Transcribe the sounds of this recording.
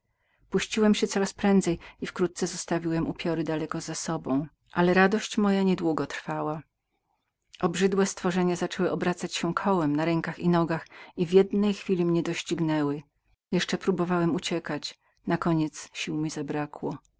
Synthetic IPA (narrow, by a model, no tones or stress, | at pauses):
puɕt͡ɕiwɛmɕɛt̪sɔɾaspɾɛnd̪zɛjifkɾut̪̚t̪sɛzɔst̪avʲiwɛmupʲjɔɾɘd̪alɛkɔzasɔbɔ̃w̃ | ʔalɛɾad̪ɔɕt͡ɕmɔjaɲɛd̪wuɡɔt̪ɾfawa | ʔɔbʐɘd̪wɛst̪fɔʐɛɲazat͡ʂɛwɘʔɔbɾat̪sat͡ɕɕɛkʰɔwɛmnaɾɛŋkaxinɔɡaxivʲjɛd̪nɛjxfʲilʲimɲɛd̪ɔɕt͡ɕiɡnɛwɘ | jɛʂt͡ʂɛpɾubɔvawɛmut͡ɕɛkat͡ɕ | nakɔɲɛt̪sɕiwmʲizabɾakwɔ